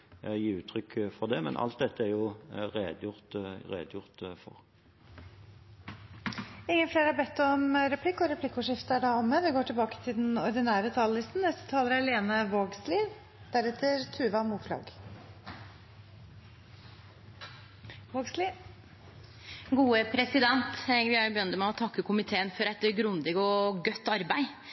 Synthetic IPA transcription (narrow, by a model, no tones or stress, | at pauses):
jiːʉːt̪ʰɾʏkːfɔʁd̪ɛmɛ̰nʔɑ̰lt̪̚d̪ɛt̪ːəæɾjʊʁeːd̪jʊʁt̪ʁḛːd̪jʊʁt̪fɔ̰ʁ | ɪŋːənfleːɾhɑbɛt̪ːɔmɾɛpʰlɪkːɔɾɛpʰlɪkːʊʂɪft̪əæɖæɔmːəʋɪɡoːʈʰɪlbɑːkə̥t̪ʰɪld̪ɛnɔɾd̪ɪnæːɾət̪ʰɑːləlɪst̪n̩nɛst̪ə̥t̪ʰɑːləɾæleːnəʋoːɡsliː | d̪̥æɾɛt̪ʰːəɾt̪ʰʉːʋɑmuːflɑ̰ːɡ | ʋoːɡsli | ɡuːəpʰɾɛsɪd̪ɛnt̪ʋɪhɑɾjʊbəjœnt̪mæɪɔt̪ʰɑkːəkʰʊmɪt̪ʰeːənfɔɾɛt̪ɡɾʊnd̪ɪɡɔɡœt̪ːɑɾbæɪ